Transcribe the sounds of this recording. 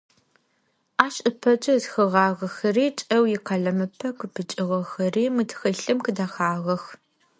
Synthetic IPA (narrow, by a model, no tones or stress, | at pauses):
aːɕʼʔɨpʰɐd͡ʒʼɐtxɨʁɑːʁɐxɐriːt͡ʃʼɐwjɪqɑɮɐmɨpʰɐkɨpʰɨt͡ʃʼɪʁɐxɐriːmɨtxɐɬɨmkɨdaxaːʁɐx